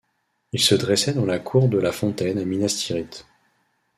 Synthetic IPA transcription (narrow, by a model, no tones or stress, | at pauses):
ilsəd̪ʁɛsɛd̪ɑ̃lakʰuʁd̪əlafɔ̃t̪ɛnaminast̪ʰiʁit̪